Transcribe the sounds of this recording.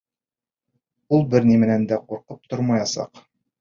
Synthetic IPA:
ulˠbɘɾnimɘ̆nænd̪æquɾqɤp̚t̪oɾmɑjɑsɑ̰q

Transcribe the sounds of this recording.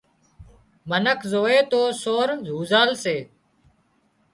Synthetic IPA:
mənəkʰzoːeːt̪oːsoːɾzuːzaːlseː

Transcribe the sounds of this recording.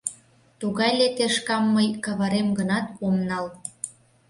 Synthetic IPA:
t̪uɣɑjlet̪eʃkɑmːəjkɑβɑɾemɡənɑt̪omnɑl

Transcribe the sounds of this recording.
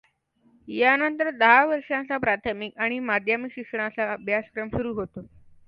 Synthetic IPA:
janənt̪əɾd̪əɦaʋəɾʂãnt͡sapɾat̪ʰəmikaɽ̃imad̪ʱjamikɕikʂəɳat͡saːbʱjaskɾəmɕuɾuːɦot̪o

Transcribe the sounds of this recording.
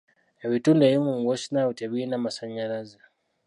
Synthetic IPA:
awitundajimumwɔsnautɛβinamasaɲaɾaza

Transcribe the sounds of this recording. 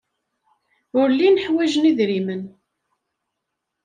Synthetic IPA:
ʊɾlːinəħwæʒəniðɾimən

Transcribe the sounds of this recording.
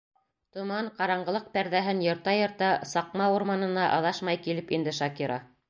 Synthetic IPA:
t̪ŏmɑɴqɑɾɑɴɢɤ̆lˠɤq̚pæɾðæɦɘnjɤ̆ɾt̪ɑjɤ̆ɾt̪ɑsɑqmɑuɾmɑnɤ̆nɑʔɑ̰ðɑʃmɑjkilɘpind̪ɘʃɑkiɾɑ̰

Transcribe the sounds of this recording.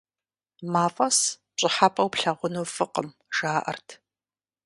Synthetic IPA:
maːfʼɐs | t͡ʃʼɪħapʼɐwpɬɐʁʷʊnoːfɨqəm | ʒ̥aːʔɐ̰rtʰ

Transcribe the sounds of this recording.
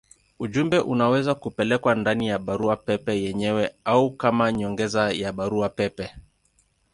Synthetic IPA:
uʄumbɛʔunawɛzakupɛlɛkwandanijaɓaɾuapɛpɛjɛɲɛwɛaukamaɲɔŋɡɛzajaɓaɾuapɛpɛ

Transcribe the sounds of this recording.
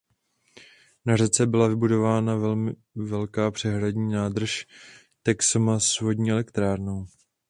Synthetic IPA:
narɛt͡sɛbɪlavɪbudo̞vaːnavɛlmɪ | vɛlkaːpr̝̥ɛɦɾadɲiːnaːd̪r̩ʃ | t̪ɛksomasvo̞dɲiːɛlɛkt̪ɾaːɾnow

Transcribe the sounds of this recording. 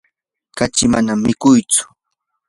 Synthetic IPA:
kat͡ʃɪmanamːɪkʊjt͡sʊ̥

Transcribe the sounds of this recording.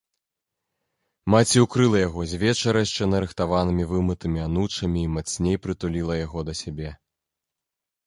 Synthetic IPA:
mat͡sʲiukɾɨlˠɐjaɣɔzʲvʲɛt͡ʂɐɾɐjʂt͡ʂɛnɐɾɨxt̪avanɨmʲivɨmɨt̪ɨmʲianut͡ʂɐmʲiːmat̪sʲnʲejpɾɨt̪ulʲilˠɐjaɣɔd̪ɐsʲabʲɛ

